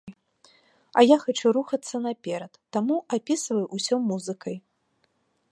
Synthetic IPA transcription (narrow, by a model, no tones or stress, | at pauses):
ɐjaxat͡ʃuɾuxɐt̪sːɐnɐpʲɛɾɐt̪ːamuapʲisvɐjuʔusʲɔmuzɨkɐj